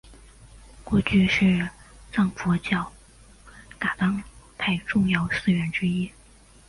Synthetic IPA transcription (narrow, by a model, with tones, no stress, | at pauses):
kwɔ˥˧t͡ɕy˥˧ʂɻ̩˥˧t͡sɑ˥˩ŋfɔ˧˥t͡ɕjɑ˥˩ʊ | ka˨˩t̪ɑ˥ŋt̪ʰa˥˧ɪʈ͡ʂʊ˥˧ŋjɑ˥˩ʊsɹ̩˥˧ɥɛ˧˥nʈ͡ʂɻ̩˥i˥